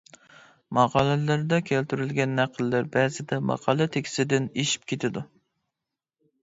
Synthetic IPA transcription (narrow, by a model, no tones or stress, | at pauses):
mɑʁɑlˠɨlæɾd̪ɑkʲʰælt̪yɾylɡʲɛnːæqʰːəlːæɾbɛzɪd̪ɛmɑ̰ʁɑlˠɨt̪ʰekʲʰi̥sɪd̪ɪneʃi̥p̚kʲʰet̪ʰɪd̪u